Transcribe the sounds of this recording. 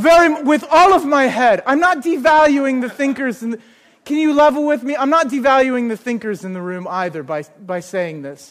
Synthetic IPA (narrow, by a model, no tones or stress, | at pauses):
vɛɹiwɪðɔlˠʌvmaɪɦɛɾãɪ̃mnət̚d̥ɨvælˠjʉɪ̃ŋðɨθɪ̃ŋkə˞zɨ̃nð | kʰɨ̃njɨlɛvl̩ˠwɪðmiãɪ̃mnət̚d̥ɨvælˠjʉɪ̃ŋðɨθɪ̃ŋkə˞zɨ̃nðɨɹʉ̃maɪðə˞baɪb̥aɪseɪɪ̃ŋðɪs